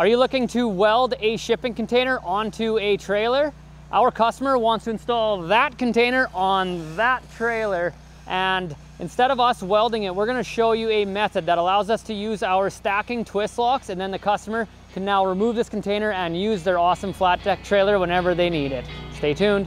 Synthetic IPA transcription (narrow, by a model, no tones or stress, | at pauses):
ə˞jɨlʊkɪ̃ŋtʰɨwɛlˠdɨʃɪpɪ̃ŋkn̩tʰẽɪ̃nə˞ʔɑ̃ntʰuɨtʰɹ̥eɪlˠə˞ | ʔaʊə˞kʰʌstəmə˞wɑ̃ntstʰɨɨ̃nstɔlˠðɨt̚kɨ̃n̩tʰẽɪ̃nə˞ʔə̃nðətʰɹ̥eɪlˠə˞ | ʔɨ̃n | ʔɨ̃nstɛɾʌvʌswɛlˠdɪ̃ŋɪt̚wɪɹɡʌnɨʃoʊjɨɨmɛθɨd̪̚ðəɾəlaʊzʌstʰɨjʉzaʊə˞stækɪ̃ŋtʰw̥ɪstˡlɔksɨ̃nðɛ̃nðɨkʰʌstəmə˞ | kʰɨ̃nːaʊɹimuvðɪskn̩tʰẽɪ̃nə˞ɨ̃njʉzðə˞ɔsə̃ɱflæt̚ʰɛk̚tʰɹ̥eɪlˠə˞wɛ̃nɛvə˞ðeɪniɾɪt̚steɪtʰʉ̃nd̥